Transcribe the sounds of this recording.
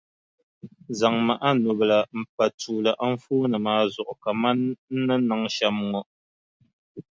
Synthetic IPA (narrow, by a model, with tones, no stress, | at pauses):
za˨ŋma˨ʔa˦nu˨bla˨m̩˨pa˨tu˨la˨ʔa˦ɱ̩˦fuː˦nə˨maː˦zɔ˨ʔka˨ma˦nn̩˦nə˦na˨ŋʃa˦mŋɔ˦ʔ